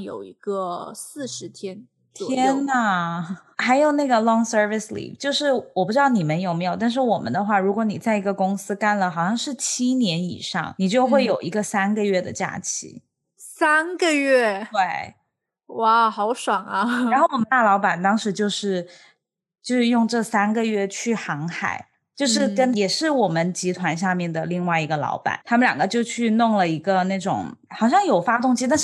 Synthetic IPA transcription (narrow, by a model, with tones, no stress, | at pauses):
jo̰˨˩ʊi˧˥ɡ̥ə˧sɹ̩˥˩ʂɻ̩˧˥t̪ʰjɛ˥n | t̪ʰjɛ˥nə˩xa˧˥ɪjo˨˩ʊna˥˩ɡə˩lɔ˥˧ŋsə˥fi˩slḭ˥˩ft͡ɕjo˥˧ʊʂɻ̩˥˩wɔ˨˩pu˥ʈ͡ʂɻd̪ɑ˥˩ni˨˩mə˧˦njo˨˩ʊme˧˥jo˨ʊt̪a˥˧nʂ̬ɻ̩˥˩wɔ˨˩mə̰˦nd̪ə˧xwa˥˩ɻu˧˥kwɔ˧˥ni˨˩t͡sa˥˩ɪi˧˥ɡə˧kʊ˥ŋsɹ̩˥ka˥˩nlə˩xɑ˨˩ʊɕjɑ˥˧ŋʂɻ̩˥˩t͡ɕʰi˥njɛ˧˥nḭ˨˩ʂɑ̰˥˩ŋni˨˩t͡ɕjo˥˧ʊxxwe˥˩ɪjo˨˩ʊi˧˥ɡə˧sa˥nɡə˨ɥɛ˥˩d̪ə̰˩t͡ɕja̰˥˩t͡ɕʰḭ˧˥ | sa˥nɡə˨˧ɥɛ˥˩twe˥˩ɪ | wa˥˩xɑ˧˥ʊʂwa˨˩ŋɐ˦a˧˥nxo˥˩wɔ˨˩mə˦nt̪a˥˩lɑ˧˥ʊpa˨˩nt̪ɑ˥ŋʂɻ̩˧˥t͡ɕjo˥˧ʊʂɻ̩˥˧ | t͡ɕjo˥˧ʊʂɻ̩˥˧jʊ˥˧ŋʈ͡ʂɤ˥˩sa˥nɡə˨ɥɛ˥˧t͡ɕʰy˥˩xɑ˧˥ŋxa̰˨˩˦ɪ | t͡ɕjo˥˧ʊʂɻ̩˥˩kə˥njɛ˨˩ʂɻ̩˥˩wɔ˨˩mə˦nt͡ɕi˧˥t̪ʰwa˧˥nɕja˥˧mjɛ˥˩nd̪ə˩li˥˧ŋwa˥˩ɪi˧˥ɡə˧lɑ̰˧˥ʊpa̰˨˩˦nt̪ʰa˥mə˨nljɑ˨˩ŋɡə˦t͡ɕjo˥˧ʊt͡ɕʰy˥˧nʊ˥˩ŋlə˩i˧˥ɡə˧na˥˩ɪʈ͡ʂʊ̰˨˩ŋxɑ˨˩ʊɕjɑ˥˩ŋjo˨˩ʊfa˥t̪ʊ˥˧ŋt͡ɕi˥t̪a˥˧nʂ̩˥˩